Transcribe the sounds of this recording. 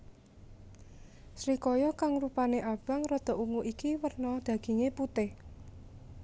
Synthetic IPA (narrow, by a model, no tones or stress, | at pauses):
sɾikɔjɔkaŋrupaneʔab̥aŋrɔd̪̥ɔ̤ʔuŋuʔikiwərnɔd̪̥ä̤ɡ̥i̤ŋeput̪ɪh